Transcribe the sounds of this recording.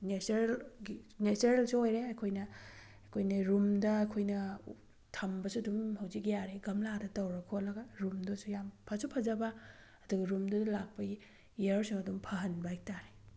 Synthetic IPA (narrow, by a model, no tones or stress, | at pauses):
nesɾelɡineseɾelsuojɾeɐkʰojnɐ | kʰojnɐɾumdɐɐkʰojnɐ | tʰɐmbɐsuɐdumhɐwzikjaɾeɡɐmladɐtɐwɾɐkʰolɐɡɐɾumdɐsujampʰɐsupʰɐzɐbɐ | ɐduɡɐɾumdɐdɐlak̚pɐi | iɐɾsuŋɐdumpʰɐɦɐnbajk̚taɾe